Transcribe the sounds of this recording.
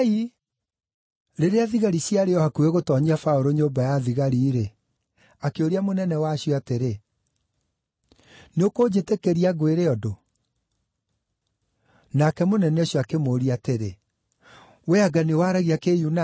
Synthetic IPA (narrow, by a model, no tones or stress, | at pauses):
i | ɾeɾeaðiɣaɾiɕjaɾeɔhakueɣotɔɲiafaoɾoɲombajaðiɣaɾiːɾe | akeoɾiamonɛnɛwaɕjɔateɾe | neokod͡ʑetekeɾiaɡweɾeɔdo | nakɛmonɛnɛɕjɔakemoɾiateɾe | weaɡanewaːɾaɣiakejuna